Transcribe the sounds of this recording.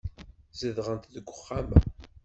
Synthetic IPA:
zəðʁənt̪ðəɡʷːʊχːæmæ̰

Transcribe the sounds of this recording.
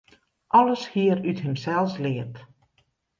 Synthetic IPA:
ʔɔləshiərythɪmsɛlˠslɪət

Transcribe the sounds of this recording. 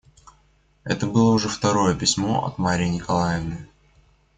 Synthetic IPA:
ɛt̪əbɨlˠəʊʐɛft̪ɐɾo̞jəpʲɪsʲmo̞ʔɐ̰t̪maɾʲɪjɪnʲɪkɐlˠajɪvnɨj

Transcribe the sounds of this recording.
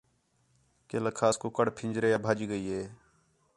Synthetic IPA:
keːləkʰaːskoːkəɽpʰɪ̃nd͡ʒɾeːabʱaːd͡ʒiɡəiːɦeː

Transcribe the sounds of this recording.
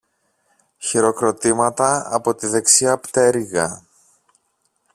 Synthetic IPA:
çiɾo̞kɾot̪imɐt̪ɐɐpo̞t̪iðe̞ksiɐpt̪e̞ɾiɣɐ̰

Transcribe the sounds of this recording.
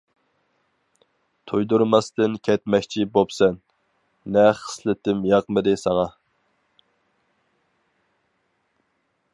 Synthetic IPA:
t̪ʰojd̪uɾmɑst̪ɨnkʲʰɛt̪mɛkʲt͡ʃʰibopsɛnː | ɛχə̥slɪt̪ɪmjɑqmɨd̪ɪsɑʁɑ

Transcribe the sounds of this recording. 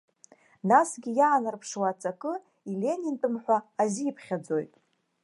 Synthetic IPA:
nasɡʲijaːnarpʰʂwat͡sʼakʼɨ | ilʲe̞nʲintʼɨmħʷaːziːpʰχʲad͡zo̞jtʼ

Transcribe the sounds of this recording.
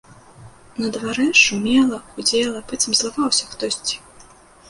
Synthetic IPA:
nɐd̪vaɾɛʂumʲɛlˠɐxud͡zʲɛlˠɐpɛt͡s̪ʲɐmzlˠavawsʲɐxt̪ɔsʲt͡sʲi̥

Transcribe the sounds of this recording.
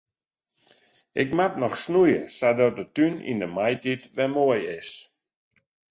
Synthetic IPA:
ʔɪkmatnɔxsnujəsadɔt̚dətynḭndəmajtitʋɛmoəjɪs

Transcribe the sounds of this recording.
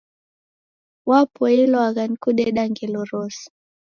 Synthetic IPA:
wapɔɛlɔaɣankuɗɛɗaŋɡɛlɔɾɔs

